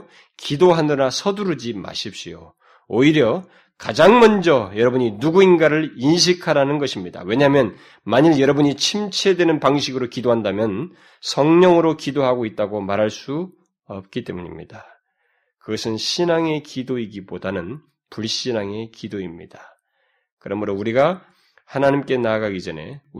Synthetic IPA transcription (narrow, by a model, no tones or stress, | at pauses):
kidoɦanɯnasʰʌduɾɯd͡ʑima̰ɕʰip̚ɕ͈ijo̰ | oiɾjʌ | kad͡ʑaŋmʌnd͡ʑʌjʌɾʌbuɲinuɡuinɡaɾɯɭinɕ̬ʰikʰaɾanɯnɡʌɕʰimɲida̰we̞ɲaɦmjʌn | maɲiɭjʌɾʌbuɲit͡ɕʰimt͡ɕʰe̞dwe̞nɯnpaŋɕʰiɡɯɾokidoɦandamjʌn | sʰʌŋɲʌŋɯɾokidoɦaɡoit̚t͈aɡomaɾɦaɭs͈u | ʌp̚k͈it͈e̞muɲḭmɲḭd̥a | kɯɡʌsʰɯnɕʰinaŋe̞kidoiɡibodanɯn | puɭɕ͈inaŋe̞kidoimɲḭdḁ | kɯɾʌmɯɾouɾiɡa | hanaɲimk͈e̞naɡaɡid͡ʑʌne̞̰